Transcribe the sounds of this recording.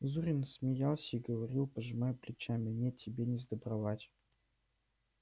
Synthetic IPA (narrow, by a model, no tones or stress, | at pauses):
zuɾʲɪnsʲmʲɪjalˠsʲəiɡəvɐɾʲilˠpəʐɨmajʊplʲɪt͡ɕamʲɪnʲetʲʰːɪbʲenʲɪzd̪əbɾɐvatʲ